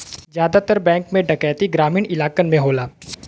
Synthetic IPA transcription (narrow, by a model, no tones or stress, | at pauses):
zjaːd̪at̪əɾbɛ̃ːŋkmẽɖɐkɛːt̪iɡɾaːmiːnɪlaːkənmẽɦoːlaː